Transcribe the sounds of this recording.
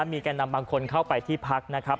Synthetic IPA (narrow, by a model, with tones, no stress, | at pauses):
miː˧kaː˧nːa˧mbaː˧ŋkʰo˧nkʰa˥˩wpa˧jt̪ʰiː˥˩pʰa˦˥k̚na˦˥kʰa˦˥p̚